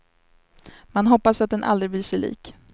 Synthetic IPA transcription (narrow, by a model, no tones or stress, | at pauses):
manɦɔpːasat̪̚d̪ɛnʔa̰ld̪ɾɪblɪːʂɛlḭːk